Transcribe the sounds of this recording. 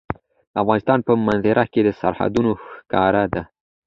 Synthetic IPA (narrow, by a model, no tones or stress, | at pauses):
afɣɑnɪst̪ɑnpəmanzɪɾʔaked̪əsa̰ɾha̰d̪unoxkɑɾad̪a